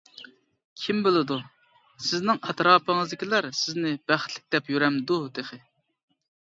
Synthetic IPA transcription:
kʲʰimbelˠɨd̪u | sɪznɪŋɛt̪ɾɑːpəŋɨzd̪ɪkʲilæɾsɪznɪb̥æχt̪ʰlɪ̥k̚ʲd̪ɛpjyɾɛmd̪ud̪eχɪ

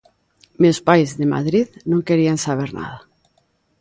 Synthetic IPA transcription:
mewspajzðema̰ðɾiðnõŋkeɾiansaβ̞eɾna̰ð̞a

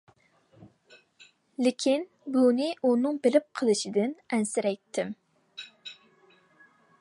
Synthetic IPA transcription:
lɪkʲʰin | bunɨʔunɨŋbɪlɪp̚qʰəlˠɨʃɪd̪ɪnɛnsɪɾɛjt̪ʰːɪm

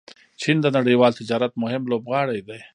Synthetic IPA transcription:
t͡ʃind̪ənaɽijwɑːlt̪ɪd͡ʒɑːɾat̪̚mʊɦɪmlobɣɑːɽajd̪aj

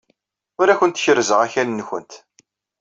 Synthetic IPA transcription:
ʊɾæçʷənt̪ːçəɾzəʁæçænːçənt̪

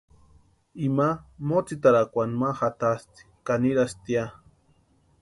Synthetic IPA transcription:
imamot͡sit̪aɾakʷanmaxat̪ast̪i̥kaniɾast̪ia

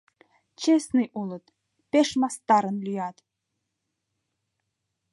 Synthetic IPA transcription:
t͡ɕesnɨjulˠɤ̆t̪ | pʲeʃmɑst̪ɑɾɤ̆nlʲyjɑt̪

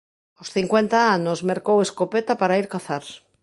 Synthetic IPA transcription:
osθiŋkwent̪aanozmeɾkoweskopet̪apaɾaiɾkaθaɾ

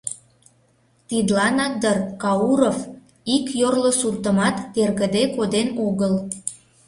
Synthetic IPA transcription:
t̪id̪lɑnɑk̚d̪ərkɑuɾof | ikjorlosurt̪əmɑt̪ːerɣəd̪ekod̪enoɣəl

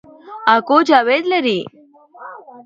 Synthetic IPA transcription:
akod͡ʑaʋed̪ləɾi

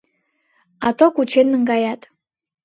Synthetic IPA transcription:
ɑt̪okut͡ɕenːəŋɡɑjɑt̪

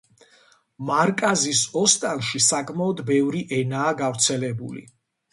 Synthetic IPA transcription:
maɾkʼazisɔst̪ʼanʃisakʼmaɔd̪bɛvɾiʔɛnaːɡavɾt̪sʰɛlɛbṵlḭ

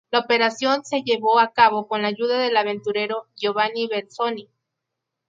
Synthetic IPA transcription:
laopeɾasjonseʝeβoakaβokonlaʝuðaðelaβent̪uɾeɾojoβaniβelsoni

